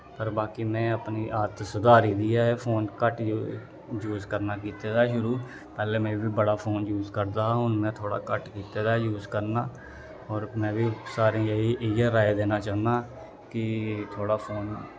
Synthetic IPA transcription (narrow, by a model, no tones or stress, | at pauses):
pəɾbaːkiːmɛ̃ːəpniːʔaːt̪sʊd̪aːɾiːd̪iːaːeːpʰoːnkəʈ | juːzkəɾnaːkiːt̪eːd̪aːʃʊɾuː | pɛːleːmɛ̃ːʋiːbəɽaːpʰoːnjuːzkəɾd̪aːaːɦʊnmɛ̃ːt̪ʰoːɽa̰ːkəʈkiːt̪eːd̪aːjuːzkəɾnaː | ɔːɾmɛ̃ːʋiːsaːɾẽːjeiːʔejaːɾaːed̪eːnaːt͡ʃaːnd̪aː | kɪt̪ʰoːɽaːpʰoːn